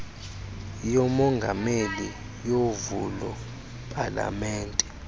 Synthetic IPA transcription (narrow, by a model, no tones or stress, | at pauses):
jɔmɔŋɡʱameli | jovulɔ | pʼala̰mɛːntʼɛ